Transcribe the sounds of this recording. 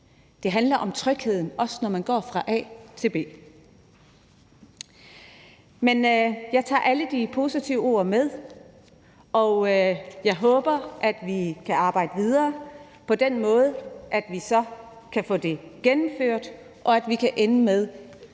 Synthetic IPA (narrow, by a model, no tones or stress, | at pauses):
d̥e̝ɦænlɐʔɒ̽mt͡sʰʁœɡ̥he̝ð̞̰ˠn̩ɒ̽sə̥nɒmænɡ̥ɒ̰ːfʁɑ̈ʔɛ̰ːt͡sʰe̝lb̥e̝̰ː | menjɑ̈ɪt͡sʰɑ̰̈ːʔæləd̥ipʰo̝ːsit͡sʰiʊo̝̰ɐmeð̞ˠ | ʔɒ̽jɑ̈ɪɦɔ̽ːb̥ɐʔæd̥ʋikʰæɑ̈ːb̥ɑ̈ɪ̰d̥əʋið̞ˠɐː | pʰɒ̽d̥enmɔ̽ːð̞ˠʔæd̥ʋisɒ̽ | kʰæfɔ̰̽ːd̥e̝ɡ̥enm̩føɐ̰d̥ | ʔɒ̽æd̥ʋikʰæʔenəmeð̞ˠ